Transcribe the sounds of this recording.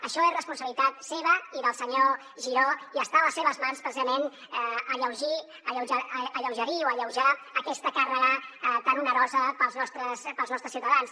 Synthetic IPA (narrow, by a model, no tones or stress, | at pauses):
əʃɔesrəspunsəβlit̪at̪seβəiðəlˠsəɲo | ʒiɾoiəst̪aləsːeβəzmanspɾəsizəmen | əʎəwʒi | əʎəwʒəəʎəwʒəɾioəʎəwʒaəkɛst̪əkarəɣat̪anunəɾɔzəpəlˠznɔst̪ɾəspəlˠznɔst̪ɾəsiuwt̪əðans